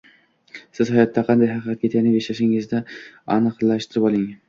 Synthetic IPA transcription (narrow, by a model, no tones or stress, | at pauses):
sɪz̥hajɒt̪ʰːaqʰɑnd̪ajɦɑqɨqɑt̪̚kʲet̪ʰajnɪbeʃlaʃɪŋɪzd̪aanɨqlaʃt̪ʰɪɾɪpɒlˠɪŋ